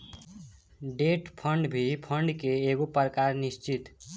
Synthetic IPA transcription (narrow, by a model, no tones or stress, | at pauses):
ɖeʈpʰəɳɖbʱipʰəɳɖkeːɡopəɾkaɾnist͡ʃit̪